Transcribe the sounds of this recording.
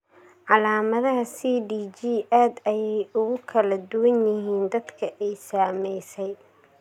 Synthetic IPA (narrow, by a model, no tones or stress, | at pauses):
ʕɑlaːmɐðɐɦɐsiːɖiːt͡ʃiːʔaːd̪ɐjɛjʊɣʊkʰɐlɐd̪ʊwɐnjɪɦiːnd̪ɐd̪kʰɐʔɛjsaːmɛjsɛj